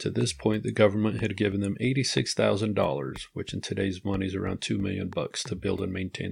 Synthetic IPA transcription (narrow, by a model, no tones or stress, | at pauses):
tʰɨðɪspʰɔ̃ɪ̃nðɨɡʌvə˞mə̃nʔhɨd̚ɡɪṽn̩ðɨ̃meɪɾisɪksθaʊzɨ̃ndɔ̰lˠə̰˞z̥wɨt͡ʃɨ̃n̩tʰɨdeɪzmʌnizə˞ã̰ʊ̃ntʰʉmɪ̰lˠjɨ̰̃nbʌ̰kstʰɨbɪ̰lˠdə̃nmẽɪ̃ntʰẽɪ̃n